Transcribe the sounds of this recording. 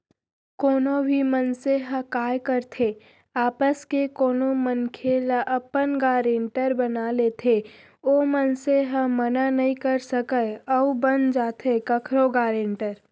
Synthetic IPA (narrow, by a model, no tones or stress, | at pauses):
koːnõbʱimənseɦəkaːjkəɾt̪ʰe | aːpəskekoːnomənkʰeːlaʔɐpənɡaːɾẽːɳʈəɾbɐnaːlet̪ʰe | oːmənseɦə̃mənanɐɦĩkəɾsəkəəubənd͡ʒaːt̪ʰekɐkʰɾoɡaːɾeːɳʈəɾ